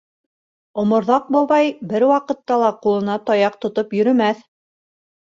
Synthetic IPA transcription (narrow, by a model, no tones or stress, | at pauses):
ŏmŏɾðɑq̚bŏβɑjbɘɾwɑqɤ̆t̪ːɑlˠɑqulˠɤ̆nɑt̪ɑjɑq̚t̪ŏt̪opjɵ̆ɾɵ̆mæθ